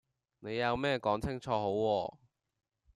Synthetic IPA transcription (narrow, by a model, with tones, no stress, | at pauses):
ne˨˧jjɐ˨˧wmɛː˥kɔː˨˥ŋt͡sʰɪ˥ŋt͡sʰɔː˧ɦo˨˥wːɔː˧